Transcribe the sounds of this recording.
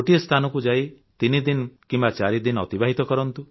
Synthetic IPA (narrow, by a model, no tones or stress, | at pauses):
oʈiest̪ʰanɔkud͡ʒai | t̪inid̪inɔkimbat͡ʃaɾid̪inɔt̪ibaɦit̪ɔkɔɾɔnt̪u